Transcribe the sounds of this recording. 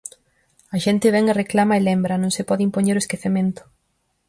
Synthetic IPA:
ɐʃɛnt̪ɪβ̞ɛŋereklamɐelɛmbɾɐnõŋsɪpɔðɪimpoɲeɾʊeskeθemẽnt̪ʊ̥

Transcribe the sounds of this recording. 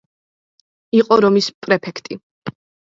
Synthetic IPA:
iqʼɔɾɔmispʼɾɛpʰɛkʰt̪ʼi

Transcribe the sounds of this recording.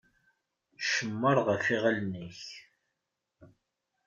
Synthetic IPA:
ʃəmːəɾˤʁəfiʁalniç

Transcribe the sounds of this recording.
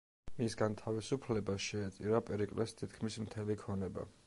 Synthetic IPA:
misɡant̪ʰavisupʰlɛbaʃɛːt̪sʼiɾapʼɛɾikʼlɛst̪ʰit̪kʰmismt̪ʰɛlikʰɔnɛba̰

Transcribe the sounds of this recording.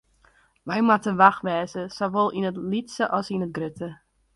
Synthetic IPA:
ʋɛjmatəʋaxʋɛːzəsoʋolˠinətlitsəʔɔsinət̚ɡrʏtə

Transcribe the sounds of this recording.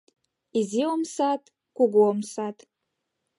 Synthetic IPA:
iziomsat̪ | kuɡuomsat̪

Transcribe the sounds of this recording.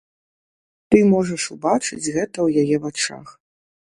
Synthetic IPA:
t̪ɨmɔʐɐʂubat͡ʂɨ̰t͡sʲɣɛt̪ɐwjajɛvat͡ʂa̰x

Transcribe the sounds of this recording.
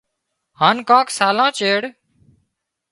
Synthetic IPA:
haːnkãːksaːlãːt͡ʃeːɽ

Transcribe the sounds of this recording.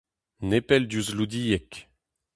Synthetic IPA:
nepɛld̪uzlud̪ijɛk

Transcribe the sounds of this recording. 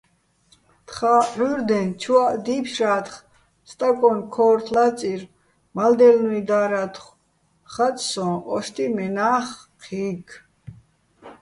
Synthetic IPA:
t̪χaħuɾd̪ɛnt͡ʃʰwad̪ipʰʃaːt̪χ | st̪ʼakʼɔnkʰɔːɾt̪ʰlat͡sʼiɾ | mald̪ɛlnuid̪aːɾat̪ʰχ | χat͡sʼsɔ̃ɔʃt̪ʰʼimɛnaːχ | qʰiːkʰ

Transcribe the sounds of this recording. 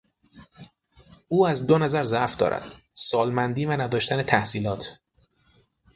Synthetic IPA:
ʔuːæzd̪onæzæɾzæʔfd̪ɒ̰ːɾæ̰d̪̥ | sɒːlmænd̪iːvænæd̪ɒːʃt̪ænet̪ʰæhsiːlɒːt̪ʰ

